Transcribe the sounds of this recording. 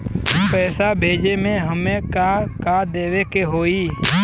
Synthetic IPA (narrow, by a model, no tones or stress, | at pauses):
ɦəmpɛːsaːbʱeːd͡ʒeːmẽːɦəmẽːkaːkaːd̪eːʋeːkeːɦoːiː